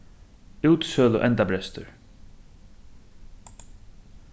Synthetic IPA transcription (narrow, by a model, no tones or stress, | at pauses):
ʉwt̪sœːlʊ̰ʔɛnt̪abɾɛst̪ʊɹ